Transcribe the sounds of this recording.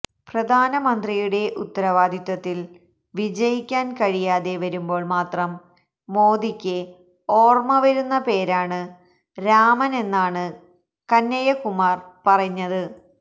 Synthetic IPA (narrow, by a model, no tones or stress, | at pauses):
prɐd̪ʱaːnɐmɐnd̪rijuɽe̞ʔut̪ːɐɾɐʋaːd̪ʱjɐt̪ːɐt̪ːil | ʋid͡ʑɐjikʲːaːnkɐɻijaːðe̞ʋɐɾumbo̞ːɭmaːt̪rɐmː | o̞ːd̪ikʲːɨ | o̞ːrmɐʋɐɾunːɐpe̞ːɾaːɳɨ | ɾaːmɐne̞nːaːɳɨ | kɐnːɐjɐkumaːrpɐrɐɲːɐðɨ